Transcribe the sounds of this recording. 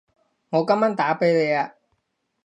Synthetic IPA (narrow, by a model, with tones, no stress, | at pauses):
ŋɔː˨˧kɐ˥mːaː˥nt̪aː˨˥pe˨˥jle˨˧jaː˧